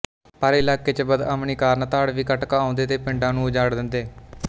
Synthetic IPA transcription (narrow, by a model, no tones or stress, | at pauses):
pəɾːɪlaːkeːt͡ʃəbəd̪ə̰mniːkaːɾnat̪aːɽʋiːkəʈkaːãːnd̪eːt̪eːpɪɳɖãːnũːd͡ʒaːɽd̪ɪnd̪eː